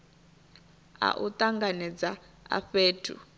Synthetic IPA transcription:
a̰ʔut̪aŋɡanɛd͡za | a̰ɸeːtʰṵ

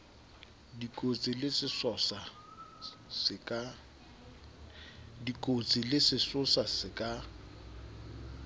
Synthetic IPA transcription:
dikʼot͡sʼɪlɪsɪsɔsa | sɪkʼa | dikʼot͡sʼɪlɪsɪsʊsasɪkʼa

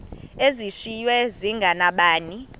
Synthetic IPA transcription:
eziʃijwɛziŋɡʱanaɓaːni

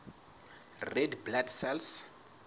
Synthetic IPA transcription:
rɛdblaksɛls

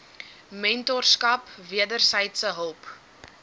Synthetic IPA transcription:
mɛntɔrskɐpviədərsəjtsəɦəlˠp

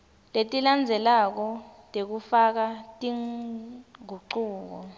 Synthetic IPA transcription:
letʼiland͡zʱɛlak̬ɔtʼek̬ufak̬atʼiŋ | ɡʱuǃuːk̬ɔ

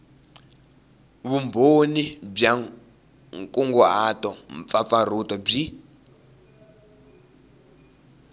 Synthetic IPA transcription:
βumbonib͡ʐa | ŋkʼuŋɡɔatɔmp̪fafar̤utɔb͡ʐi

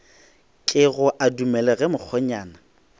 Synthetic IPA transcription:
kʼɪɣʊʔadumɛlɛɣɛmʊk͡xʰɔɲaːna

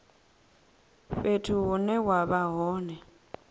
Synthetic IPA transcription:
ɸetʰuɦʊnɛwaβaɦɔːnɛ

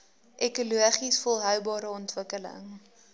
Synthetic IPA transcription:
ʔɛkuluəχisfɔlˠɦœwbɑːɾəɔntvəkələ̰ŋ

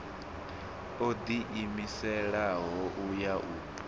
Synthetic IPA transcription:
od̪iʔimisɛɺaɦɔʔujaʔu

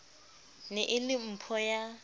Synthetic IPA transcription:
nɛʔɪlɪm̩pʰɔja

